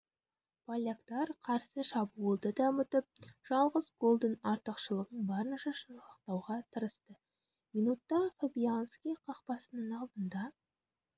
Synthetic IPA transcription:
pʰɑlʲakt̪ɑɾqʰɑɾsəʃɑbuəlˠd̪əd̪ɑmət̪əp̚ʒ̥ɑlˠʁəzɡo̞lˠd̪ənɑɾt̪əqʃəlˠəʁəɴbɑɾənʃɑʃəəq̚t̪ɑwʁɑt̪ʰəɾəst̪ə | minut̪ːɑfebijanskʲijqʰɑqpɑsənəɴɑlˠd̪ənd̪ɑ

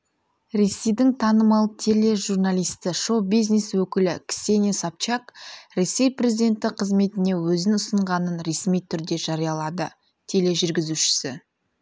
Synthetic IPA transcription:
ɾe̞sejd̪ɪŋt̪ʰɑnəmɑlˠət̪ʰele̞ʒurnalʲijst̪ɪʃo̞bijzneswɵkʲɪlɪkʲsʲe̞nʲesap̚t͡ʃɑkɾe̞sːe̞jprʲe̞zʲid̪ʲe̞nt̪ɪqʰəzme̞t̪ɪne̞wɵzɪnʊsəɴʁɑnənɾe̞smijt̪ʰʏɾd̪e̞ʒɑɾijɑlˠɑd̪ə | t̪ʰe̞le̞ʒʏɾɡʲɪzuʃɪ̥sɪ

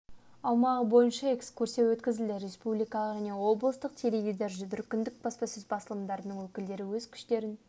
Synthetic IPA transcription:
ɑlˠmɑʁəbo̞jənʃɑekskʰuɾsjewɵt̪kʲɪzɪld̪ɪɾe̞spublijkɑlˠəqʒæne̞wo̞blˠəst̪əq̚t̪ʰeɾeɡʲid̪eɾʒʏd̪ʏɾkʲɪnd̪ɪk̚bɑspɑsɪzbɑsəlˠəmd̪ɑɾənəŋwɵkʲɪld̪e̞ɾɪwɵzkʲʰʏ̥ʃt̪e̞ɾɪn

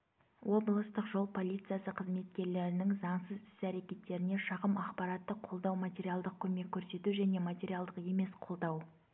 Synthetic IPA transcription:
wo̞blˠəst̪əqʒo̞lˠpʰo̞lʲijt̪sɨjasəqʰəzme̞t̪kʲe̞ɾle̞ɾɪnɪŋzɑɴsəzʏ̥sæɾe̞kʲe̞t̪ːe̞ɾɪne̞ʃɑʁəmɑqpɑɾɑt̪ːəqʰo̞lˠd̪ɑwmat̪ʲeɾijalˠd̪əq̚kʲʰɵme̞kʲʰːɵɾse̞t̪uʒæne̞mat̪ʲeɾijalˠd̪əqe̞me̞sqʰo̞lˠd̪ɑw

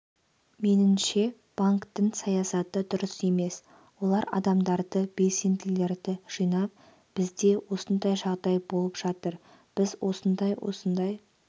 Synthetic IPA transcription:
me̞nɪmʃe̞ | b̥aŋkt̪əɴsɑjɑsɑt̪əd̪ʊɾəse̞me̞s | wo̞lˠɑɾɑ̰d̪ɑmd̪ɑɾd̪əbe̞lse̞nd̪ɪle̞ɾd̪ɪʒ̥ijnɑp̚ | b̥ɪzd̪e̞wo̞sənd̪ɑjʒɑʁd̪ɑjbo̞lˠəpʒ̥ɑt̪əɾ | b̥ɪzwo̞sənd̪ɑjwo̰sənd̪ɑj

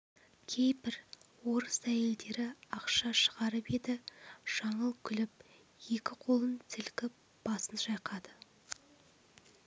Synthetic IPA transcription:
kʲʰe̞jbɪɾ | wo̞ɾəsæje̞ld̪e̞ɾɪɑqʃɑʃə̥ʁɑɾəpe̞d̪ɪʒ̥ɑɴəlˠkʲʰʏlɪp̚ | je̞kʲɪqʰo̞lˠənt̪ʰɪlkʲɪp̚ | b̥ɑsənʒɑjqɑd̪ə

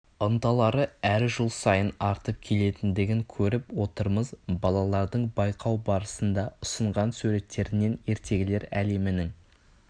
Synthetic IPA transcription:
ənt̪ɑlˠɑɾəæɾʒʊlˠsɑjənɑɾt̪əp̚kʲʰe̞le̞t̪ɪnd̪ɪɡʲɪŋkʲʰɵɾɪpwo̞t̪əɾməzbɑlˠɑlˠɑɾd̪əɴbɑjqʰɑwbɑɾəsənd̪ɑʊsəɴʁɑnsʉɾe̞t̪ːe̞ɾɪne̞ne̞ɾt̪e̞ɡʲɪle̞ɾæle̞mɪnɪŋ

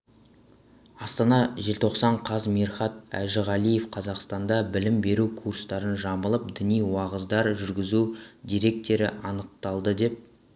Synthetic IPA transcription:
ɑst̪ɑnɑʒelt̪ʰo̞qsɑɴqʰɑzmiɾχɑt̪æ̰ʒɪʁɑlˠije̞fqʰɑzɑqst̪ɑnd̪ɑbɪlɪmbe̞ɾukʰurst̪ɑɾənʒɑməlˠəp̚d̪ɪnijwɑʁəzd̪ɑɾʒʏɾɡʲɪzud̪ʲijɾe̞k̚t̪e̞ɾɪɑnəq̚t̪ɑlˠd̪əd̪e̞p̚

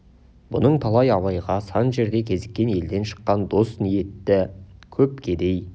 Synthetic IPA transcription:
bʊ̰nəɴt̪ʰɑlˠɑjɑwɑjʁɑsɑnʒe̞ɾd̪e̞kʲʰe̞zɪkʲːe̞ne̞ld̪e̞nʃə̥qːɑnd̪o̞snije̞t̪ːɪkʲʰɵp̚kʲʰe̞d̪e̞j

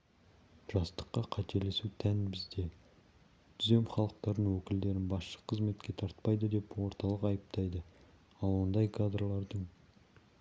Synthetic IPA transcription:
ʒ̥ɑst̪ə̥qːɑqʰɑt̪e̞le̞sut̪ʰænbɪzd̪e̞ | d̪̥ʰʏze̞mχɑlˠəq̚t̪ɑɾənwɵkʲɪld̪e̞ɾɪnbɑsʃə̥qʰəzme̞t̪kʲet̪ʰɑɾt̪̚pɑjd̪əd̪e̞pwo̞ɾt̪ɑlˠəqɑjəp̚t̪ʰɑjd̪ə | ɑlˠwond̪ɑjkʰad̪ɾlˠɑɾd̪əɴ

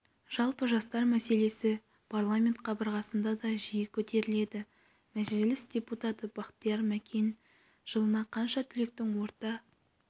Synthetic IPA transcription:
ʒ̥ɑlˠpəʒɑst̪ɑɾmæse̞le̞sɪ | pʰarlˠamʲe̞nt̪̚qʰɑbəɾʁɑsənd̪ɑd̪ɑʒijɪkʲʰɵt̪e̞ɾɪle̞d̪ɪ | mæʒɪlɪsd̪̥ʲe̞put̪at̪əbɑqt̪ijɑɾmækʲʰen | ʒ̥əlˠənɑqʰɑnʃɑt̪ʰʏlek̚t̪ɪŋwo̞ɾt̪ɑ

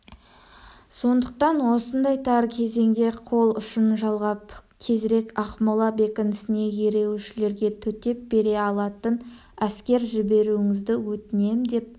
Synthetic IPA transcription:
so̞nd̪əq̚t̪ɑnwo̞sənd̪ɑjt̪ʰɑɾkʲʰe̞ze̞ŋd̪e̞qʰo̞lˠʊʃənʒɑlˠʁɑpkʲʰe̞zɾe̞kɑχmolˠɑbekʲɪnɪsɪne̞je̞ɾe̞wʃɪle̞ɾɡʲe̞t̪ʰɵt̪e̞p̚be̞ɾe̞ɑlˠɑt̪ən | æskʲe̞ɾʒɪbe̞ɾuɪŋɪzd̪ɪwɵt̪ɪne̞md̪e̞p̚

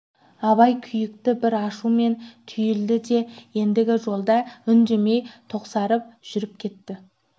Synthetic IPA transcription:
ɑβɑjkʲʰʏjɪk̚t̪ɪbɪɾɑʃume̞nt̪ʰʏjɪld̪ɪd̪e̞je̞nd̪ɪɡʲɪʒo̞lˠd̪ɑʏnd̪eme̞jt̪ʰo̞qsɑɾəp̚ʒ̥ʏɾɪp̚kʲʰe̞t̪ːɪ

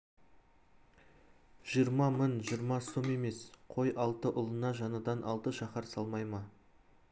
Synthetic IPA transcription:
ʒ̥ijəɾmɑmənʒijɾmɑso̞me̞me̞sqʰo̞jʔɑlˠt̪əʔʊlˠənɑʒɑnəd̪ɑnʔɑlˠt̪əʃɑχɑɾsɑlˠmɑjmɑ

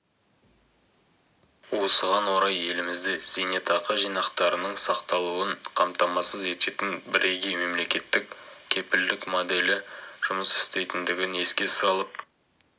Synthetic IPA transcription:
wo̞səʁɑnwo̞ɾɑje̞lɪmɪzd̪ɪz̥enet̪ɑqəʒijnɑqt̪ɑɾənəɴsɑqt̪ɑlˠuəɴqʰɑmt̪ɑmɑsəze̞t̪e̞t̪ɪnbɪɾʔeɡʲeme̞mle̞kʲe̞t̪ːɪkkʲʰe̞pɪld̪ɪkmod̪e̞lɪʒ̥ʊməsɪ̥st̪e̞jt̪ɪnd̪ɪɡʲɪne̞skʲe̞sɑlˠəp̚

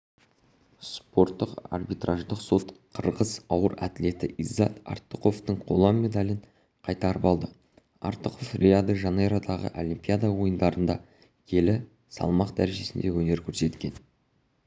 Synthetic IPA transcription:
spo̞ɾt̪ːəqɑ̰rbijt̪raʒd̪əqso̞t̪qʰəɾʁəzɑwəɾæt̪ɪle̞t̪ɪʔizːɑt̪a̰rt̪əqo̞ft̪əɴqʰo̞lˠɑmʲːe̞d̪ɑlʲɪɴ | qʰɑjt̪ɑɾəpɑlˠd̪ə | ɑ̰ɾt̪əqo̞frʲʔead̪əʒɑneɾad̪ɑʁə̰ʔo̞limpʲijad̪ɑwo̞jənd̪ɑɾənd̪ɑ | kʲʰe̞lɪ | sɑ̰lˠmɑqd̪æɾe̞ʒe̞sɪnd̪e̞wɵne̞ɾkʲʰɵɾse̞t̪kʲe̞n

